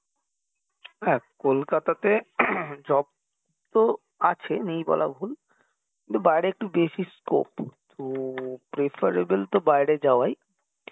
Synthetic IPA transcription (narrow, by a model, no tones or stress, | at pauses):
ɦɛkolkat̪at̪ed͡ʑɔb̚ | t̪o | at͡ɕʰenejbɔ̰la̰bʱul | kint̪ubajɽeek̚ʈubeʃisko̰pt̪upɾefʰaɾebelt̪obajɽed͡ʑaoaj